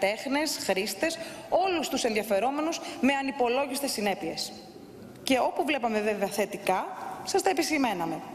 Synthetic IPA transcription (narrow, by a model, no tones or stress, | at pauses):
t̪e̞xne̞sxɾist̪e̞s | o̞lust̪use̞nðiɐfe̞ɾo̞me̞nuzme̞ɐnipo̞lo̞ʝist̪e̞sːine̞pie̞s | ce̞o̞puvle̞pɐme̞veveɐθe̞t̪ikɐsɐst̪ɐepisime̞nɐme̞